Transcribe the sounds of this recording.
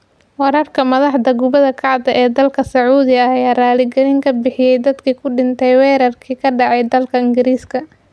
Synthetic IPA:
wɑɾɐrkʰɐmɐðɑħd̪ɐɡʊβɐðɐkʰɑʕd̪ɐʔɛːd̪ɐlkʰɐsɐʕuːðɪɐɐjaːraːlɪɡɐlɪŋkʰɐbɪħɪjɛjd̪ɐd̪kʰiːkʰʊɖɪnt̪ʰɛjwɛːɾɐrkʰiːkʰɐɖɑʕɑjd̪ɐlkʰɐɪŋɡɪɾiːskʰɐ

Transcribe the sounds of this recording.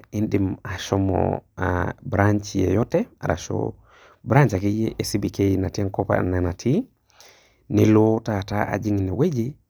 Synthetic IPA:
indimaʃomo̰a̰bɾaɲt͡ʃijḛjotea̰ɾa̰ʃo̰ | bɾaɲt͡ʃakijeʔesibikejinateŋkopa̰nenatʰi | nilotataʔa̰d͡ʒiŋniwed͡ʒi

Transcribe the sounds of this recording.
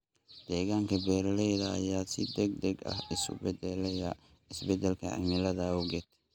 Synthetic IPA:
d̪̥ɛːɣaːŋkʰɐbɛːɾɐlɛjðɐɐ̰jaːsɪd̪ɛɡ̚d̪ɛɡɐ̰hɪsʊ̰bɛd̪ɛlɛjɐ | ɪsbɛd̪ɛlkʰɐ̰ɐ̰mɪlɐðɐɔɡɛt̪ʰ

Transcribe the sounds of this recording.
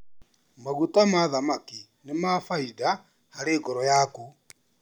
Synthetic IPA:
maɣutamaðamaki | nemafaida | haɾeːɣɔɾɔjaku

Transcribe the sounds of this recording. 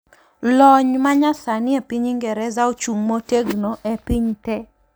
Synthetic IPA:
lɔɲmaɲasanɪɛpiɲiŋɡɛɾɛzaot͡ʃuŋmoteɡnoʔɛpiɲtɛ

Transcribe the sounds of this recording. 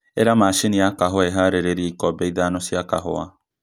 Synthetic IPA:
eɾamaʃeniakaɦɔɛɦaɾeɾeɾieikɔbɛiðanɔsjaka̰hɔ̰a

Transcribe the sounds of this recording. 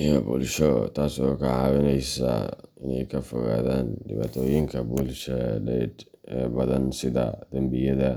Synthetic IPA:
ijɔbṵːlʃɔt̪ʰaːsɔkʰɐʕɑːwɪnɛjsɐ̰ɪnɛ̰jkʰɐfɔɣa̰ːðaːnɖɪβa̰ːt̪ʰɔːjɪŋkʰɐbʊːlʃɔɖɛd̪ɛːbɐðɐnsɪðɐ̰d̪̥ɐmbɪjɐðɐ

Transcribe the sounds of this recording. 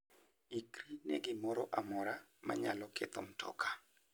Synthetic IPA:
ikɾinḛɡɪmɔɾɔʔamɔɾama̰ɲalɔkɛt̪ɔmtʰɔ̰kḁ

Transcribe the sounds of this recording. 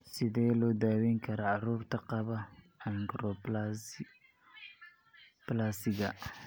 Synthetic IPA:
sɪðɛːlɔːd̪aːwɛŋkʰɐɾɐʕɑruːrt̪ʰɐqɑβɐ | ɐnɡɾɔ | b̥laːsɪɣɐ̰

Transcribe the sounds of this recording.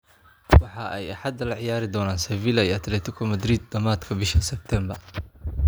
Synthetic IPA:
wɑħɑʔɛjɐħɑd̪ɐlɐʕɪjaːɾɪd̪ɔːnaːnsɛviːlɐijɐt̪ʰlɛːt̪ʰɪkʰɔmɐd̪ɾiːd̪̚ːɐmaːd̪kʰɐbɪʃʰɐsɛb̚t̪ʰɛːmbɐr

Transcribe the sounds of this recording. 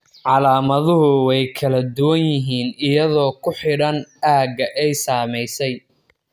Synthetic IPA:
ʕɑlaːmɐðʊɦʊwɛjkʰɐlɐd̪ʊwɐnjɪɦiːnɪjɐðɔːkʰʊħɪɽɐnaːɡɐʔɛjsaːmɛjsɛj

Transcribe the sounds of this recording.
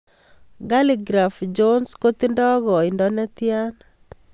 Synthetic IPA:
ɡaliɡɾafd͡ʒonskot̪indɔɡɔindɔnɛt̪jan

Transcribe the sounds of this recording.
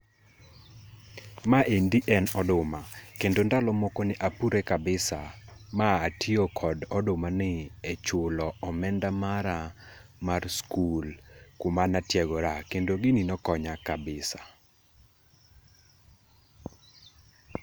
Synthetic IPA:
maʔendiʔɛnɔdʊmakendondalɔmokonɪʔapuɾekabɪsamaːtʰiokʰɔdɔdʊmanɪɛt͡ʃʊlɔɔmɛndamaɾamarskulkʊmanatjɛɡɔɾakendoɡɪninɔkɔɲakabɪsa

